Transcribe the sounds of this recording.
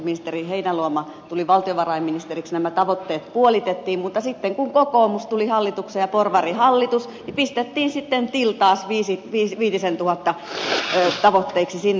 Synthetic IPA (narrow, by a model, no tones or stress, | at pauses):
minist̪eriheinæluomɑ | t̪uliʋɑlt̪ioʋɑrɑiminist̪eriksnæmæt̪ɑʋot̪ːeːt̪puolit̪et̪ːiːmmut̪ːɑsit̪ːeŋkuŋkokoːmust̪ulihɑlːit̪uksejjɑporʋɑrihɑlːit̪us | nipist̪et̪ːiːnsit̪ːent̪ilt̪ɑːsʋiːsiʋiːʋiːt̪isent̪uhɑt̪ːɑ | t̪ɑʋot̪ːeiksisinː